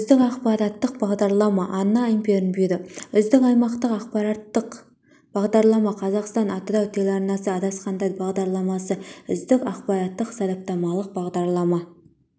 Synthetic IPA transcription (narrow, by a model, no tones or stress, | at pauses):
ʏzd̪ɪkɑqpɑɾɑt̪ːəq̚bɑʁd̪ɑɾlˠɑmɑʔɑnːɑimpʲeɾɪnbed̪ɪʏzd̪ɪkɑjmɑqt̪əqɑqpɑɾɑt̪ːəq | b̥ɑʁd̪ɑɾlˠɑmɑqʰɑzɑqst̪ɑnɑt̪əd̪ɑwt̪ʰelɑɾnɑsəɑd̪ɑsqɑnd̪ɑjbɑʁd̪ɑɾlˠɑmɑsəʏzd̪ɪkɑqpɑɾɑt̪ːəqsɑɾɑp̚t̪ɑmɑlˠəq̚bɑʁd̪ɑɾlˠɑmɑ